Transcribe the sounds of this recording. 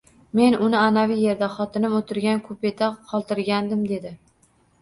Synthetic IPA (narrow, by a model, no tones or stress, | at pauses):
me̞nʊnɪanavijje̞ɾd̪aχɒt̪ʰɪnɪmot̪ʰɪɾɡʲankʰɵpe̞t̪ʰaqʰɒlˠt̪ɪɾɡʲand̪ɪmd̪e̞d̪ɪ